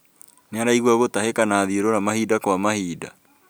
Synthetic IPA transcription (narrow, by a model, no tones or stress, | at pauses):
neaɾaiɣwaɣotahekanaðioɾoɾamahiːdakwamahiːda